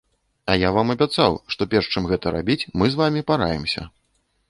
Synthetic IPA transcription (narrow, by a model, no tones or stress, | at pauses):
ɐjavamɐbʲat̪sawʂt̪ɔpʲɛrʂt͡ʂɨmɣɛt̪ɐɾa̰bʲit͡sʲmɨzvamʲipaɾajɛmsʲɐ̰